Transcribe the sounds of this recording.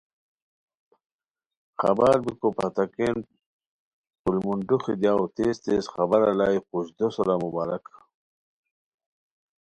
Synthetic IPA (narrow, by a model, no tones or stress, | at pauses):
xa̰baːɾbikopat̪aken | pulmunɖuxid̪jawt̪eːst̪eːsxabaɾalaːjquɕd̪osoɾamubaːɾa̰ka